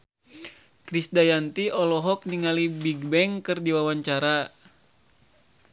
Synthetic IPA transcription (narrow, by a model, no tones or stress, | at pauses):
kɾisdajant̪iɔlɔɦɔk̚niŋalibiɡbɛŋkɨrdiwawaɲt͡ʃaɾa